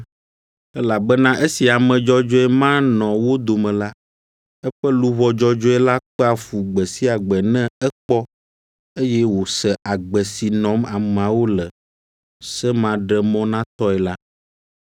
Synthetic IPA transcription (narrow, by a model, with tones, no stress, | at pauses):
ɛ˦la˨bɛ˦nã˦ʔe˦si˨a˨mɛ̃˨d͡ʒɔ˦d͡ʒɔ˦ɛ˦mã˦nɔ̃˨wo˦d̪o˨mɛ̃˨la˦ | ɛ˦ɸɛ˦lu˦βɔ˦d͡ʒɔ˦d͡ʒɔ˦ɛ˦la˦k͡pɛ˦a˨fu˨ɡ͡bɛ˨si˦a˨ɡ͡bɛ˨nɛ̃˦ɛ˦k͡pɔ˦ | e˦jɛ˦wo˨sɛ˨ʔa˨ɡ͡bɛ˨si˨nɔ̃˨˦ma˨m˨a˨wo˦lɛ˨ | sɛ˦mã˨ɖɛ˦mɔ̃˦nã˦t̪ɔ˦ɛ˨la˦